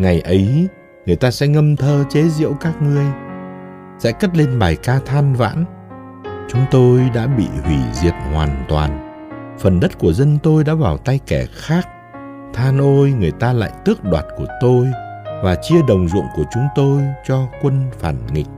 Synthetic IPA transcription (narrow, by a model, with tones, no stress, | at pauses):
ŋa˨˩jʔə˨˦j | ŋɨ˨˩əjt̪aː˧sɛ̰˧˥ŋə˧mt̪ʰəː˧t͡ɕe˨˦zḭ˧˥əwkaː˦˥k̚ŋɨ˧˩əj | sɛ̰˧˥kə˦˥t̚le˧nɓaː˨˩jkaː˧t̪ʰaː˧nva̰ː˧˥n | t͡ɕʊ˨˦ŋ͡mt̪o˧jɗa̰ː˧˥ɓḭ˧˨hwi˧˩zi˨˩əp̚hwaː˨˩nt̪wa̰ː˨˩n | fə˨˩nɗə˦˥t̚ku˧˩əzə˧nt̪o˧jɗa̰ː˧˥vaː˨˩wt̪a˧jkɛ˧˩xaː˦˥k̚ | t̪ʰaː˧nʔo˧jŋɨ˨˩əjt̪aː˧la̰ː˧˨jt̪ɨ˦˥ək̚ɗwaː˨˩t̚ku˧˩ət̪o˧jvaː˨˩t͡ɕi˧əɗə˨˩wŋ͡mzʊ̰˧˨əŋku˧˩ət͡ɕʊ˨˦ŋ͡mt̪o˧jt͡ɕɔ˧kwə˧nfaː˧˩nŋḭ˨˩k̚